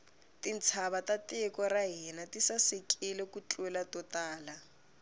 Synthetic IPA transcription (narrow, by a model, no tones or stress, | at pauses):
tin̩t͡sʰaβatatɪkɔraɦinatisasɪkʼilekut͡ɬʼwɛlatɔtaːla